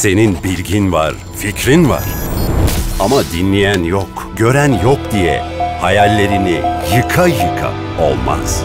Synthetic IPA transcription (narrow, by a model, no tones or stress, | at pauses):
se̞ninbilʲɟinva̰ɾ | ficɾinva̰ɾ̥ | amad̪inlʲijænjok | ɟø̞ɾænjɔk̚d̪ijɛ̰hajalʲːe̞ɾinijɯkʰajɯkʰa̰ | o̞̰lˠma̰z̥